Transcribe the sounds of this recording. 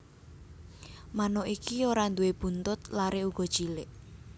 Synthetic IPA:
manɔʔikioɾand̪uweb̥unt̪ʊt̪̚laɾeuɡ̥ɔ̤d̥ʒ̥ilɪʔ

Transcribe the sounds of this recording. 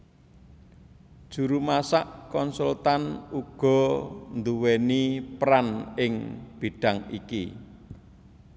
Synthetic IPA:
d̥ʒ̥ṳɾumasaʔkɔnsult̪anuɡ̥ɔ̤nd̪uwɛnipɾanɪŋb̥iɖ̥a̤ŋḭkḭ

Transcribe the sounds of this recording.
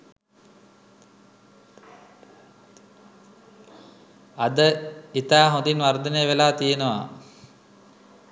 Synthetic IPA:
ad̪əit̪aːɦõnd̪inʋard̪ənəjəʋelaːt̪ijenəʋa̰

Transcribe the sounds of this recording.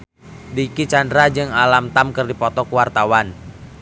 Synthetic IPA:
dikit͡ʃandɾad͡ʒɨŋalamt̪amkɨrdipɔt̪ɔkuwart̪awan

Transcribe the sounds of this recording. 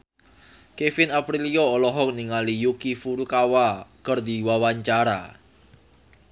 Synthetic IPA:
kefɪnapɾiliɔːlɔɦɔk̚niŋalijukifuɾukawakərd̪iwawaɲt͡ʃaɾa̰

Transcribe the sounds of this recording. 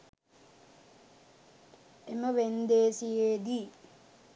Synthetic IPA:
eməʋend̪eːsijeːd̪i

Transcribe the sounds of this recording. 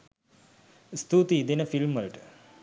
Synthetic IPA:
st̪ut̪id̪enəfilmʋəlʈə̥

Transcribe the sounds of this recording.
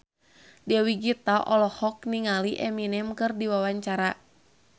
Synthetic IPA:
dɛwiɡit̪aʔɔlɔhɔk̚niŋaliʔɛminɛmkɨrdiwawaɲt͡ʃaɾa

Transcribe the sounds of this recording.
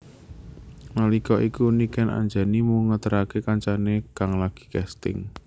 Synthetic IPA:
malikɔʔikunikɛna̰ɲd͡ʒa̤nimuŋət̪əɾakekaɲt͡ʃanekaŋlaɡ̥i̥̤kɛst̪ɪ̰ŋ

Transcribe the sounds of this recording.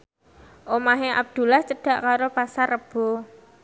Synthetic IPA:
ʔomaɦea̰b̚d̪̥ṳlaht͡ʃəɖ̥a̤ʔkaɾopasarːəb̥o̤

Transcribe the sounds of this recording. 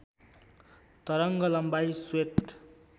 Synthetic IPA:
t̪ʌɾʌŋɡʌlʌmbajsweʈ

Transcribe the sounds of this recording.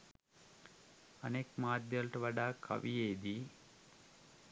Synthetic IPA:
ɐ̰nekmaːd̪jɐlʈɐʋɐɖaːkʰɐ̰ʋijeːd̪i

